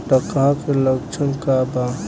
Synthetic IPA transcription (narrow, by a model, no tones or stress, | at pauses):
ʈəkãkeləkt͡ʃʰənkaba